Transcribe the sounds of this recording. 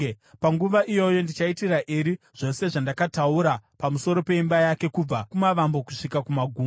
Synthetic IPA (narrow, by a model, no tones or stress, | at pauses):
paŋɡuʋaʔijo̞jo̞ndit͡ʃaitiraʔeɾi | ʐ̥o̞se̞ʐandakatauɾapamuso̞ɾo̞pe̞imbajake̞kub͡vakumaʋambo̞ku̥ʂikakumaɡʱuːm